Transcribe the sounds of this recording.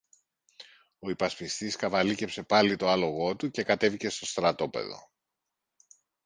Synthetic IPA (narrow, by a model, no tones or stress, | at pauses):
o̞ipɐspist̪iskɐvɐlice̞pse̞pɐlit̪o̞ɐlo̞ɣo̞t̪uce̞kɐt̪evice̞st̪o̞st̪ɾɐt̪o̞pe̞̰ðo̞̰